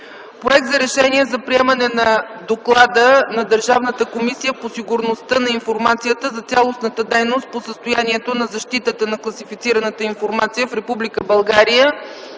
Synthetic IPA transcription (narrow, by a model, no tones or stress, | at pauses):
pɾoɛk̚t̪zɐɾɛʃɛniɛzɐpɾiɛmənɛnɐ | d̪oklˠad̪ənɐd̪əɾʒavnət̪əkomisijəposiɡʊɾnost̪ənɐinfoɾmat̪sijət̪əzɐt̪sʲjalˠosnət̪əd̪ɛjnost̪̚posəst̪ojaniɛt̪onɐzɐʃt̪it̪ət̪ənɐklˠɐsifit̪siɾənət̪əinfoɾmat̪sijəfɾɛpublikəbɐlˠɡaɾijə